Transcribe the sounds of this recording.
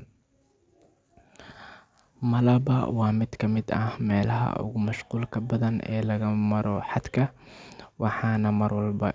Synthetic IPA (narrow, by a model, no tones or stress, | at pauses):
mɐlɐbɐ̰wɑːmɪd̪kʰɐmɪd̪ɐ̰hmɛːlɐɦɐ̰ʔʊ̰ɣʊmɐʃquːlkʰɐbɐðɐnɛ̰ːlɐɣɐmɐɾɔħɑd̪kʰɐ | wɑħɑːnɐmɐrwɐlbɐ